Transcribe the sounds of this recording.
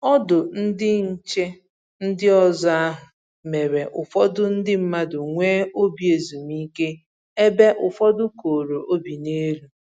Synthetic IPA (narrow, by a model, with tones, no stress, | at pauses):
ɔ˦dʊ˨n̩˦dɪ˦n̩˦˨t͡ʃe˦ | n̩˦dɪ˦ɔ˦za˦a˦ɦʊ˨ | me˨ɾe˨ʔʊ˨fɔ˦dʊ˦n̩˦dɪ˦m̩˦ma˦dʊ˨ŋʷeː˦o˦bi˨e˨zu˨mi˦ke˦ | e˦be˦ʔʊ˨fɔ˦dʊ˦ko˨ɾo˨ʔo˦bi˨ne˦ɾu˦